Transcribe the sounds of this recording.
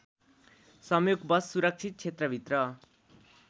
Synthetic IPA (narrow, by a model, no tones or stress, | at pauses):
sʌmjoɡbʌsːuɾʌk̚t͡sʰit̪̚t͡sʰet̪rʌbʱit̪rʌ